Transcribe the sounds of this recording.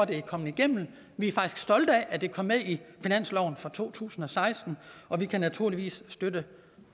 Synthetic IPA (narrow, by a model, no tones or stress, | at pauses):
d̥e̝ækʰɒ̽mn̩iɡ̥em̰n̩ | ʋiæfɑ̈ɡ̥isɡ̥sd̥ɒ̽ld̥əæʔæd̥e̝kʰɒ̽mːeðˠifinæn̰slɒʊn̩fɒ̽t͡sʰo̝̰ːt͡sʰṵːsn̩ɒ̽sɑ̈ɪsd̥n̩ɒ̽ʋikʰænæt͡sʰuɐliʋḭːsːd̥ød̥ə